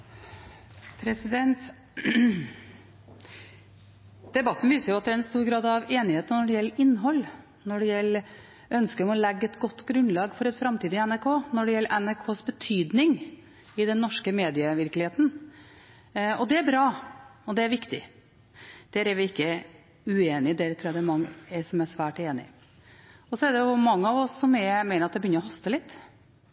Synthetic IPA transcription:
pʰɾɛsɪd̪ɛnt̪ | d̪̥ɛbɑt̪ːn̩ʋiːsəɾjʊɑt̪̚d̪ɛæɾɛnst̪uːɾɡɾɑːd̪ɑʋeːnɪheːt̪ənɔɖɛjɛlːəɾɪnːɦɔlː | nɔɖɛjɛlː | ʔœnskəɾɔmɔlɛɡːəɛt̪ɡɔt̪ːɡɾʉnlɑːɡfɔɾɛt̪fɾɑmt̪ʰiːd̪əɪɛnæɾkʰoːnɔɖɛjɛlːəʔɛnæɾkʰoːsbət̪ʰyːd̪nɪŋ | ɪd̪ɛnːɔʂkəmeːd̪ɪəʋɪɾklɪheːt̪n̩ | ɔd̪ɛæɾbɾɑːɔd̪ɛæɾʋɪkt̪ɪ̰ | d̪̥æɾæɾʋɪɪkːə | ʉeːnɪd̪æɾt̪ʰɾuːjɑd̪ɛæɛɾmɑŋːəɛɾsɔmæsʋæːʈeːnɪ̰ | ɔsɔɛɖ̪ɛjʊmɑŋːəɑʋɔsːɔmɛmæɪəɾɑt̪d̪ɛbjʏnəɾɔɦɑst̪əlɪt̪ː

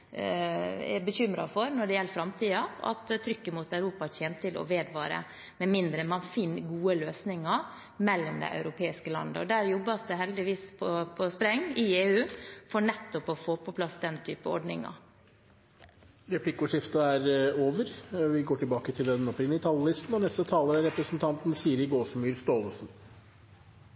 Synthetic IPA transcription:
ɛ̰bəçʏmɾɑfɔɾnɔɖɛjɛlːəfɾɑmt̪ʰiːɑɑ̰t̪t̪ʰːɾʏkːəmuːt̪ɑʉɾuːpɑçeːnt̪ʰɪlɔ̰ʋeːd̪ʋɑ̰ːɾə̰ | mɛmɪnd̪ɾəmɑnfɪnːɡuːəløːsnɪŋɑ | mɛlːɔmd̪ɛ̰ɪʔɑ̰ʉɾʊpʰeːɪskəlɑ̰nd̪ə̰ɔ̰d̪æːɾjɔbːɑsd̪ɛɦɛld̪ɪʋiːspʰɔpʰɔspɾɛŋːɪeːʉːfɔɳɛt̪ːɔpɔfoːpʰɔpʰlɑsd̪ɛnt̪ʰyːpəɔ̰ɖɳɪ̰ŋɑ̰ | ɾɛpʰlɪkʊʂɪft̪əæɾoːʋəɾʋɪɡoːʈʰɪlbɑːkət̪ʰɪld̪ɛnɔpɾɪŋɪɪt̪ʰɑljlɪst̪n̩ɔnɛst̪ət̪ʰɑːləɾæɾɛpɾəsnt̪ʰɑnt̪nsiːəɾɪɡoːsmyːɾst̪oːləsn̩

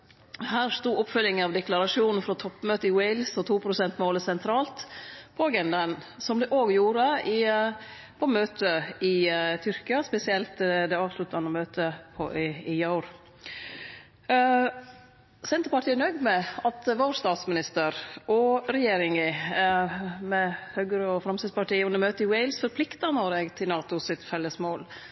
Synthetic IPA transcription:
hæːɾst̪uːʊpfʉlːɪŋəɑʋd̪ɛklɑɾɑʂuːnn̩fɾɔt̪ʰɔpːmøːt̪əɪwɛɪlsɔt̪ʰuːpʰɾʊsɛnt̪moːləsɛnt̪ʰɾɑːlt̪pʰɔɡɛnd̪ɑnsɔmd̪ɛʔoːɡjuːɾəɪ | pʰɔmøːt̪ʰəɪt̪ʰʏɾkɪɑspɛsɪɛlt̪d̪ɛɑːʋslʉt̪ːɑnəmøːt̪ʰəpʰɔ̰ʔɪjɑʊɾ | sɛnt̪əpɑʈʰiːnœɡd̪mɛɑt̪ʋoːɾst̪ɑːt̪smɪnɪst̪əɾɔɾɛjeːɾɪŋɪ | mɛhøɡəɾəɔfɾɑmsɪspɑʈiːʉnəɾmøːt̪əɪwɛɪlsfɔɾpʰlɪkt̪ɑnɔɾɛɡt̪ʰɪlnɑːt̪ʊsɪt̪fɛlːəsmoːl

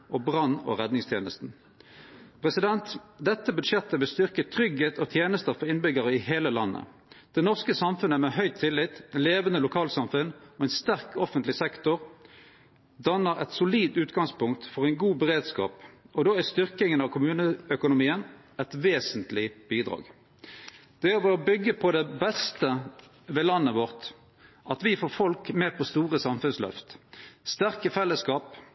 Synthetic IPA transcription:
ʔɔbʁɑnːɔ̰ʁɛd̪nɪŋst̪ʰjeːnəst̪n̩ | pʰʁɛsɪd̪ɛnt̪d̪ɛt̪ːəbʉd̪ʂjɛt̪ːəʋɪlst̪ʏʁkət̪ʰʁʏɡheːt̪ʰɔt̪ʰjeːnəst̪əʁfɔʁɪnbʏɡəʁəɪɦeːləlɑnːə̰ | d̪̥ɛnɔʁskəsɑmfʉnəmɛɦœʏt̪ʰːɪlːɪt̪leːʋənəlʊkʰɑːlsɑmfʉnɔɛɪnst̪æʁkʰɔfənt̪lɪsɛkt̪ʊʁ | d̪ɑnːəʁɛ̰t̪sʊliːd̪ʉːt̪ɡɑŋspʊŋkt̪fɔʁæɪnɡuːbəʁeːd̪skɑ̰ːpɔd̪oːæst̪ʏʁkɪŋənɑʋkʰʊmʉːnəœkʊnʊmiːən | ɛt̪ʋeːsənt̪lɪb̥iːd̪ʁɑ̰ːɡ | d̪̥ɛæʋɛɔbʏɡːəpʰɔd̪ɛbɛst̪ə | ʋeːlɑnːəʋɔʁt̪ | ʔɑt̪ʋɪfoːʁfɔlkmeːpʰɔst̪uːʁəsɑmfʉnslœ̰ft̪st̪æʁkəfɛlːəskɑːp

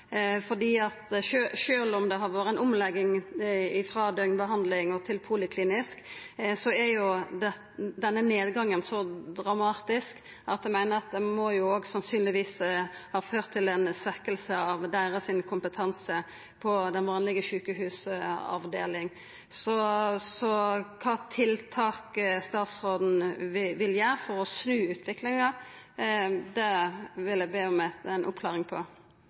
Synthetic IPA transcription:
fɔʁd̪iːɑt̪ʃøʃøːlɔmd̪ɛɦɑɾʋoːɾəɛnʊmlɛɡːɪŋɪfɾɑːd̪œʏnbəɦɑnd̪lɪŋɔt̪ʰɪlpʰuːlɪkʰliːnɪsksɔæjʊd̪ɛ | d̪ɛnːəneːd̪ɡɑŋːənsɔd̪ɾɑmɑːt̪ɪsk | ʔɑt̪j̪æmæɪnəɾɑt̪̚d̪ɛmɔjʊoːɡsɑnsyːnlɪʋiːshɑːføːʁt̪ʰːɪlɛnsʋɛkəlsəɑʋd̪æɪʁəsɪnkʰʊmpət̪ʰɑnsə | pʰɔd̪ɛnʋɑːnlɪɡəɕʉːkəɦʉːsɑ̰ʋd̪ḛːlɪŋ | sɔsɔkʰɑːt̪ʰɪlt̪ʰɑːkst̪ɑːt̪sʁoːd̪n̩ʋɪʋɪljæːɾfɔɾɔsnʉːʉːt̪ʰʋɪklɪŋɑ | d̪ɛʋɪlæbeːɔmɛænʔʊpkʰlɑːʁɪŋpʰɔ

